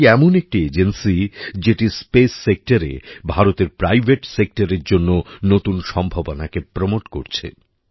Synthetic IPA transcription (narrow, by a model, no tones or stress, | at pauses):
ɛmonek̚ʈied͡ʑensid͡ʑeʈispesːek̚ʈaɾḛbʱaɾot̪eɾpɾajbʱeʈsek̚ʈaɾeɾd͡ʑonːonot̪unʃɔmbʱabonakepɾomoʈkoɾt͡ɕʰḛ